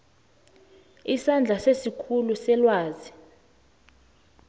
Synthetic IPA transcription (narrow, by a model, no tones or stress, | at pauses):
isand͡ɮʱasesikʰulusɛlwaːzi